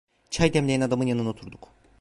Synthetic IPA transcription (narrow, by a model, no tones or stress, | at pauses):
t͡ʃʰajd̪ɛmlʲeɛnad̪amɯnjanɯno̞t̪ʰuɾd̪uk